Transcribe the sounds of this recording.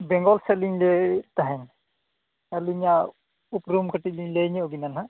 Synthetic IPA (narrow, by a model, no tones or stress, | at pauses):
bɛŋɡɔlseliŋlɛt̪aɦɛn | ɐluɲa | upɾumkʰəʈiliŋleɲɛɔɡinanɦa